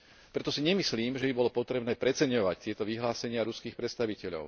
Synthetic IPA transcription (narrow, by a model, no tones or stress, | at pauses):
pɾɛt̪ɔsiɲɛmisliːmʒɛbibɔlɔpɔt̪ɾɛbnɛːpɾɛt͡sɛɲɔʋact̪ɪɛt̪ɔʋiɦlaːsɛɲɪaɾuskiːxpɾɛt̪st̪aʋicɛʎɔ̰ʊ